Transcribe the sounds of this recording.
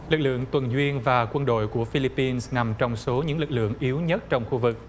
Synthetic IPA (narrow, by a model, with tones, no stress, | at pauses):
lɨ˨˩k̚lɨ̰˧˨əŋt̪wə˨˩nzwi˧ənvaː˨˩kwə˧nɗo̰˧˨jku˧˩əfi˧li˧pːi˧nsna˨˩mt͡ɕɔ˧wŋ͡mso˨˦ɲɨ̰˧˥ŋlɨ˨˩k̚lɨ̰˧˨əŋʔi˨˦əwɲə˦˥t̚t͡ɕɔ˧wŋ͡mxu˧vɨ˨˩k̚